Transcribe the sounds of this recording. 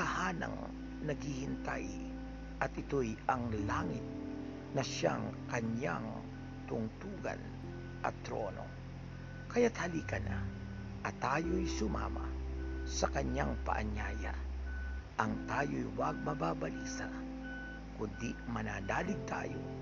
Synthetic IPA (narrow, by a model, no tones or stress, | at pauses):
ɐhaːnɐ̰ŋ | nɐɡhihɪnt̪aj | ʔɐt̪ɪt̪ojɐŋlaːŋɪt̪̚ | nɐʃaŋkɐɲjaŋ | t̪ʊŋt̪uːɡɐ̰n | ʔɐt̪ːɾo̞̰no̞̰ | kɐjat̪hɐliːkɐnʔa | ʔɐt̪aːjojsʊma̰ːmasɐkɐɲaŋpɐ̰ʔɐɲaːja̰ | ʔɐŋt̪aːjojwɐɡ̚mɐbaːbɐliːsa | kʊnd̪imɐnaːd̪aːlɪɡ̚t̪a̰ːjo̰